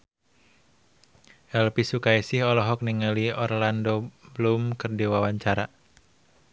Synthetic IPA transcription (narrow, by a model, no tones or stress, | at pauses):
ʔɛlpisukaisɪhɔlɔɦɔk̚niŋaliɔrlandoblumkɨrdiwawaɲt͡ʃaɾa